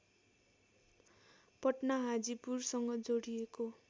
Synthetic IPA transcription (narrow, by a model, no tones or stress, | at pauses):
pʌʈnaɦad͡zipursʌŋɡʌd͡zoɽieko